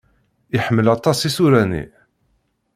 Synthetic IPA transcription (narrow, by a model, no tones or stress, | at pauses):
iħəmːəlɑt̪ˤɑsisuɾænḭ